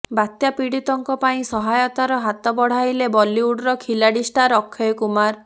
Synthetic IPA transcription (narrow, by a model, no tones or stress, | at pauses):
bat̪japiɽit̪ɔŋkɔpaĩsɔɦajɔt̪aɾɔɦat̪ɔbɔɽ̤ajlebɔliuɽɾɔkʰilaɽisʈaɾɔkʰːɔjkumaɾ